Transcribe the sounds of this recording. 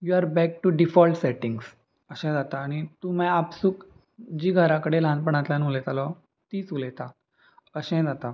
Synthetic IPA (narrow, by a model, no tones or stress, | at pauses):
juaɾbɛk̚ʈuɖifɔlʈsɛʈĩŋɡs | əɕɛ̃d͡zat̪aːñit̪umɛ̃apsuːk | d͡ʑiːɡʱəɾãkəɽelãnpəɳ̃at̪ljãnulɛt̪alɔ | t̪iːt͡sulɛt̪a | əɕɛ̃d͡zat̪a